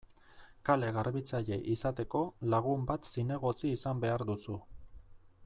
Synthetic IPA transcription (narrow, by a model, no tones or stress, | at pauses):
kale̞ɣaɾβit͡saʎe̞ʔisat̪e̞ko̞laɣ̞umbat̪sine̞ɣ̞o̞t͡siːsambe̞aɾd̪usu